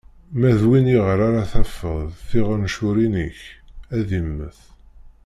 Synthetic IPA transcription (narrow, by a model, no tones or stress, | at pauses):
mæðwiniʁəɾaɾaθæfːəðˤθiʁənʃʊɾinəçæðimːə̰θ